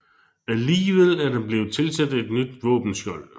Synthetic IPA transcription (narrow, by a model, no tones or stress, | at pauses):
æliːʋeð̰ˠæɐd̥enb̥le̝ʊt͡sʰe̝lsæd̥e̝d̥nyd̥ʋɔ̰̽ːb̥n̩sj̥ɒl̰